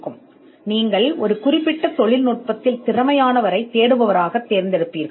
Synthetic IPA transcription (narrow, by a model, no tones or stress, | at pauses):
kːɯm | niːŋɡɐɭɔɾɯkʊrɪpːɪʈːɐt̪ɔɭɪlnuːʈ̚pɐt̪ːɪlt̪ɪrɐmɐjaːnɐʋɐɾɐɪt̪ːeːɽɯʋɐʋɐɾaːɣɐt̪ːeːɾnd̪ɛɽɯpːiːɾɣɐ